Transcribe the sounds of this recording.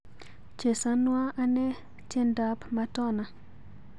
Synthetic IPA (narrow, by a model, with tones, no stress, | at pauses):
t͡ʃe˨sa˦nwa˦a˦nɛ˦ | t͡ʃe˦nda˦pma˦tɔ˦na˨